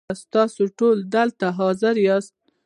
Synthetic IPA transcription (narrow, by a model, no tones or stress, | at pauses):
st̪ɑsoʈold̪əlt̪aɦɑzɪɾjɑst̪̚